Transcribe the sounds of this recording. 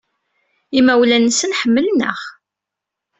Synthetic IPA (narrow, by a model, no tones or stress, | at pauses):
imæwlænəsənħəmːəlnə̰χ